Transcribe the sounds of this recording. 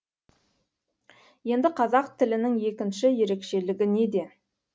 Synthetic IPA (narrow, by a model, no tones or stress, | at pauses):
je̞nd̪ɪqʰɑzɑqt̪ʰɪlɪnɪŋje̞kʲɪnʃɪje̞ɾe̞kʃe̞lɪɡʲɪne̞d̪e̞